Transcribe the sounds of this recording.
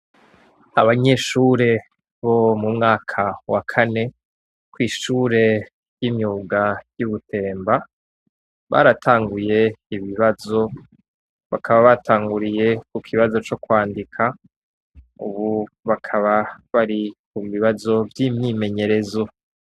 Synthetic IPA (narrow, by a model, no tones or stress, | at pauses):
aβaɲe̞ʃuɾe̞ | βo̞mumŋaːkʰawakʰane̞ | kwiːʃuːɾe̞ | jiːmɲuːɡajuβutʰe̞ːmba | βa̰ːɾatʰaːŋɡuje̞iβiβazo̞ | βakʰaβaβatʰaːŋɡuɾije̞kukʰiβazo̞t͡ʃo̞kwaːndikʰa | ṵβu | βakʰaβaβaɾikumβiβazo̞vjiːmɲime̞ɲe̞ɾe̞zo